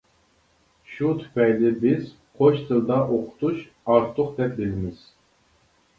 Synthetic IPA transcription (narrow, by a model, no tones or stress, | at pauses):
ʃut̪ʰy̥pʰɛjlɪbɪz̥ | qʰot͡ʃt̪ʰɨlˠd̪ɑʔoqʰʊ̥t̪ʰuʃ | ɑɾt̪ʰʊqd̪ɛp̚d̪elɪmɪz̥